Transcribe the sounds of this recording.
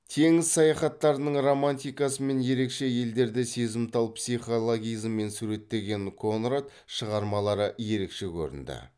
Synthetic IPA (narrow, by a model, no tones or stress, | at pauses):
t̪ʰe̞ŋɪzsɑjɑχɑt̪ːɑɾənəɴro̞manʲt̪ijkɑsəme̞nje̞ɾe̞kʃe̞je̞ld̪e̞ɾd̪ɪse̞zɪmt̪ʰɑlˠpsijχo̞lˠoɡʲijzmːe̞nsuɾe̞t̪ːe̞ɡʲe̞ŋkʰo̞nrat̪ | ʃəʁɑɾmɑlˠɑɾəje̞ɾe̞kʃe̞kʲʰɵ̰ɾɪ̰nd̪ɪ̰